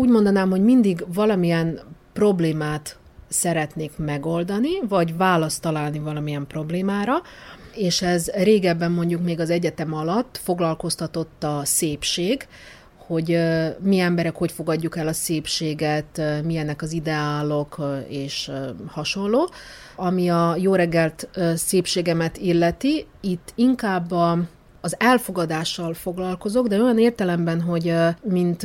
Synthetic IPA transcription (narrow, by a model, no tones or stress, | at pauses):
uːɟmo̞nd̪ɒnaːmho̞ɟmind̪iɡvɒlɒmijɛnpro̞bleːmaːt̪ | sɛɾɛt̪neːkmɛɡo̞ld̪ɒnivɒɟvaːlɒst̪ːɒlaːlnivɒlɒmijɛmpro̞bleːmaːɾɒeːʃɛzreːɡɛbːɛmːo̞ɲɟukmeːɡɒzɛɟɛt̪ɛmɒlɒt̪ːfo̞ɡlɒlko̞st̪ɒt̪o̞t̪ːɒseːpʃeːɡ | ho̞ɟmiɛmbɛɾɛkho̞cfo̞ɡɒɟːukɛlɒseːpʃeːɡɛt̪miɛnːɛkɒzid̪ɛaːlo̞keːʃhɒʃo̞nloː | ɒmiɒjoːɾɛɡːɛlt̪ːseːpʃeːɡɛmɛt̪ilːɛt̪i | it̪ːiŋkaːbːɒː | zɛlfo̞ɡɒd̪aːʃːɒlfo̞ɡlɒlko̞zo̞ɡd̪ɛo̞jɒneːrt̪ɛlɛmbɛnɦo̞ɟmint̪